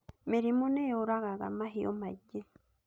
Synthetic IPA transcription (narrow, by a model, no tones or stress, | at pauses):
meɾimoneoɾaɣaɣa̰maɦio̰maɟːe